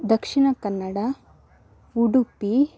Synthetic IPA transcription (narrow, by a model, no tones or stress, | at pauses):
d̪ɐkʂiɳɐkɐnːɐɽɐ | uɽupi